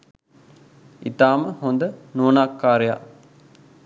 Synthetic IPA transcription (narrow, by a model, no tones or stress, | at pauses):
ḭt̪aːməhond̪ənuːnaːkːaːɾeja̰